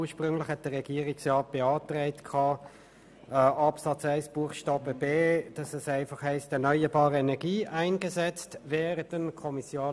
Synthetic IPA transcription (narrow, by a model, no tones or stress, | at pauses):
uɐʃpʁʏŋlɪχhɛt̚d̥əʁːɛɡ̥iːəʁɪksʁɑːt̚b̥eɑːtʁɛɪtkʰɑː | ɛɑpsɑt͡saɪsb̥uəχʃtɑːb̥əbeːd̥ɑsɛsæɪfɑχhɛɪstɛnœʏəbɑːʁəɛnɛɐɡiːʔaɪnɡəzɛt͡stvɛːʁədənkʰɔmisjaː